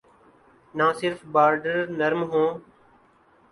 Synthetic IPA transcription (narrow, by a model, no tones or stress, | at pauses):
nãːsɪɾfbaːɾɖəɾnəɾmɦõː